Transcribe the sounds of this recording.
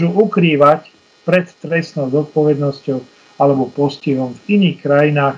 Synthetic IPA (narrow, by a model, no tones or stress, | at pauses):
ʒuʔukɾiːʋac | pɾɛt̪ːɾɛsnɔʊzɔt̪̚pɔʋɛd̪nɔscɔʊ | alɛbɔpɔsciɦɔmviniːxkɾajinaːx